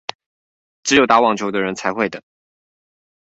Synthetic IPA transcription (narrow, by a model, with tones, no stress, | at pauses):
ʈ͡ʂɻ̩˧˥jo˨˩ʊt̪a˧˥wɑ˥˨˩ŋt͡ɕʰjo˧˥ʊd̪ə˧ɻə˧˥nt͡sʰa˧˥ɪxwe˥˩ɪd̪ə˩